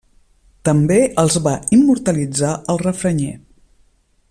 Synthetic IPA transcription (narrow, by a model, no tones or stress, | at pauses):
t̪əmbeəlˠzβaimːuɾt̪əlid͡zaəlˠrəfɾəɲḛ